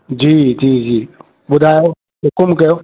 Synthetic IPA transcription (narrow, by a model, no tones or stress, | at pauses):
d͡ʒid͡ʒid͡ʒi | budajo | ekomkɛ